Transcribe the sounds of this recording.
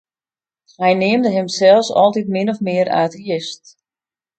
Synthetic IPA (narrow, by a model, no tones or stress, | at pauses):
hɛjnɪəmdəɦɪmsɛlˠfsɔ̰lˠtitmɪnɔfmɪəɾa̰ːtiɪst